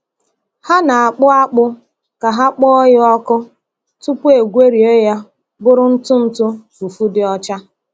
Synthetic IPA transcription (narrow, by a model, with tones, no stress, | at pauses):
ha˦na˨a˨k͡pʊ˦a˦k͡pʊ˦ | ka˨ɦa˦k͡pɔ˦ɔ˦jɪ˦ɔ˦kʊ˦ | tʊ˦pʊ˦e˨ɡʷe˦ɾi˨e˦ja˦ | bʊ˦ɾʊ˦n̩˦tʊ˦n̩˦tʊ˦fu˨fu˦dɪ˦ɔ˦t͡ʃa˦